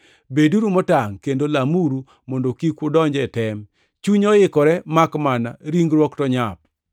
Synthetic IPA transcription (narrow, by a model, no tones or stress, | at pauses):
beduɾumɔtaŋkendolamuɾu | mɔndokikʊdɔɲd͡ʒɛtɛm | t͡ʃuɲɔɪkɔɾɛmakmana̰ɾiŋɡɾwɔktɔɲap̚